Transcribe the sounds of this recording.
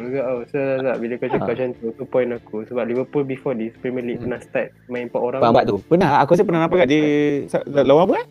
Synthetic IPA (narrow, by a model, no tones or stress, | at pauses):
ɡaʔosaasaʔbiləkat͡ʃakat͡ʃant̪ut̪upɔj̃nakusəbap̚livəpulbifɔdispɾimɛlipənãhst̪at̪̚mãĩmpaʔoɾaŋbamba̰ʔt̪upənaɦakus̬ipənahnãpaɡaʔdisaalawabəa